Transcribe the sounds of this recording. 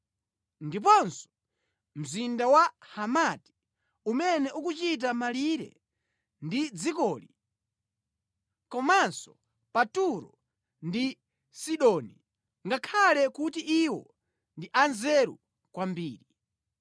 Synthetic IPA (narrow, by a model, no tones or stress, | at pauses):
ndip̬ɔnsɔ̥ | m̩zindawahamati̥ | umɛnɛʔukut͡ʃit̬amaliɾɛ̰ | ndid͡zikɔːli | kɔmansɔ | patuɾɔ | ndi | siɗɔni | ŋɡakʰalɛkutiʔiwɔ̰ | ndiʔanzɛɾṵ | kwambiːɾi